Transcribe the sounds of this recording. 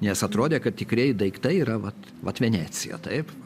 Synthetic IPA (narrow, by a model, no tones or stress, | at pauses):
nʲɛsɐt̪ɾoːd̪ʲeːkɐt̪̚tʲɪkɾʲeɛɪd̪ɐɪkt̪ɐɪiːɾɐʋɐt̪ | ʋɐt̪ʋʲɛnʲæːt͡ssʲɪ̰jɛ̰t̪ɐɪp